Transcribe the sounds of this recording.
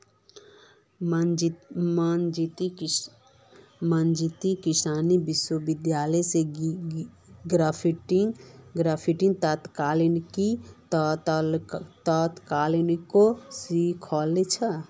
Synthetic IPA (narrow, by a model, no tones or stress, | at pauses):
mand͡ʒit̪i | mand͡ʒit̪ikisaːnibɪswəbɪd̪jaːləse | ɡɾapʰiʈŋɡɾaːpʰiʈĩŋɡ̚t̪at̪kaːlinki | t̪at̪kaːlinkosikʰɔːlet͡ʃʰə